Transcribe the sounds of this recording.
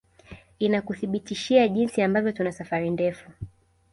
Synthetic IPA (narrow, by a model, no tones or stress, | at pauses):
inakuθiɓitiʃiaʄinsiambavjɔtunasafaɾindɛfu